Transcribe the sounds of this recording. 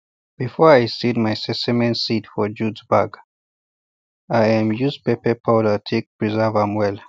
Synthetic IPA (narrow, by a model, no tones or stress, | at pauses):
b̥ifɔɹajsid̚majsɛsɛmɛ̃ntsitfɔd͡ʒudzbaɡ | ajãmjuspepɛpʰalətʰek̚pɹizɛvãmwɛl